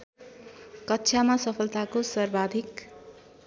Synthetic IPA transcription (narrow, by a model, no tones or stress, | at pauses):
kʌtːʃʰjamasʌpʰʌlt̪akosʌrbad̪ʱik